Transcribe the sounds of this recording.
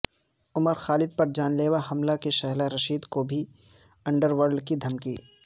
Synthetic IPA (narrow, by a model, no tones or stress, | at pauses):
ʊməɾxaːlɪd̪̚pɐɾd͡ʒaːnleːʋaɦɐmlakeʃɛɦlaɾɐʃiːd̪kobʱi | ɐ̃ɳɖəɾʋəɾlkid̪ʱɐmkḭː